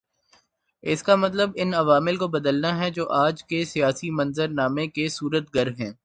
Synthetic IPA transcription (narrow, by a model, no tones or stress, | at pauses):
ɪskamɐt̪̬ləbɪnɐʋaːmɪlkobɐd̪əlnaɦɛd͡ʒoːʔaːd͡ʒkesijaːsimɐ̃nzəɾnaːmẽkesuːɾət̪ɡɐɾɦɛ̃ː